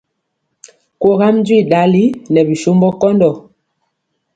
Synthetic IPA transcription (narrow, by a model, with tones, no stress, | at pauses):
ko˦ɣa˦m˦d͡ʒwi˦˨da˨li˦nɛ˨bi˨ʃo˦mbɔ˦kɔ˦ndɔ˨